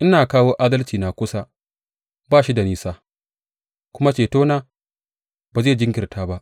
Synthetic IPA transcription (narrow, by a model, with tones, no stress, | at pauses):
ʔɪ˦naː˨kaː˦woː˦ʔaː˦dɐ˦lt͡ʃiː˨na˨kʷʊ˦sa˦ | baː˦˨ʃi˦da˨niː˦saː˦ | kʷʊ˦ma˦t͡ʃeː˨toː˦naː˦ | baː˨zeː˦˨d͡ʒɪ˦ŋɡʲɪ˨rtʰaː˦ba˦ʔ